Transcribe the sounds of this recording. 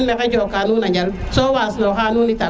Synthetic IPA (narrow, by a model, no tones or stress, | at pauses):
meked͡ʒokanuːnad͡ʒal | sowaːsnaxanuːnita